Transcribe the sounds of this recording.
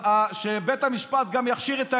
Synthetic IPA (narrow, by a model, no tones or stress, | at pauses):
aʃebet̪hamiʃpat̪̚ɡamjaχʃiʁet̪a